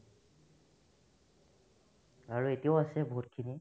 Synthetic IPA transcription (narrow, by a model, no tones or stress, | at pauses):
aɹuetijaʊasɛbʱut̚kʰini